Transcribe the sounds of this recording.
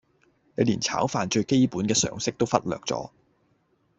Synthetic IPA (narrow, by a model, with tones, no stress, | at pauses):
ne˨˧jliː˨˩nt͡sʰa̰ː˨˥wfaː˨nt͡ʃɵ˧ɥke˥jpuː˨˥nkɛː˧sœ̰ː˨˧ŋsɪ˥k̚t̪o˥wfɐ˥t̚lœ̰ː˨k̚t͡sɔ̰ː˨˥